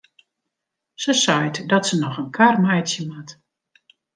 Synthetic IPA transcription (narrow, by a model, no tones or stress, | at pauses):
səsɔjtdɔtsənɔxənkʰarmɛjtsjəmat